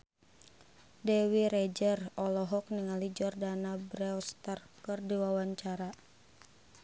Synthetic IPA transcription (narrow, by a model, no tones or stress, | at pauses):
dɛwiɾed͡ʒərɔlɔɦɔk̚niŋalid͡ʒɔrdanabɾɛɔst̪ər | kɨrdiwawaɲt͡ʃaɾa